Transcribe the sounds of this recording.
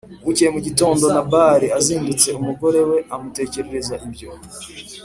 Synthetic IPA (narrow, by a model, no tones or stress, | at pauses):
wucijemuɟito̞ːndo̞nabaːɾiaziːndit͡se̞umuɡo̞ɾe̞we̞amute̞ːce̞ɾe̞ɾezaʔibɟo̞